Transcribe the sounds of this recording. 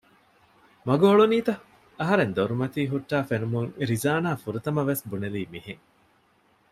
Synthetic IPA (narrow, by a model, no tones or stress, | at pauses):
mɐɡoːɭuniːt̪ɐ | ɐɦɐɾend̪oɾumɐt̪iːɦuʈːaːfenumuŋɾizaːnaːfuɾut̪ɐmɐʋesbuneliːmiɦeŋ